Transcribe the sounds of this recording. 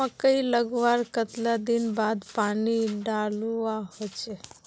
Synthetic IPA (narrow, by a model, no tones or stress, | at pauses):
ãkəiləɡʋaɾkət̪lad̪inbad̪paniɖaluaɦot͡ʃe